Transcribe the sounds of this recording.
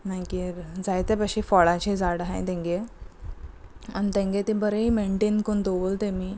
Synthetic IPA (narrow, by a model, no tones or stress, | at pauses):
najkid͡zajt̪epəɕifɔɭat͡ɕed͡zaɽɦã̰jt̪ẽŋɡe | añit̪ẽŋɡet̪ebəɾeimeɳʈenkoɳd̪oʋolt̪emiː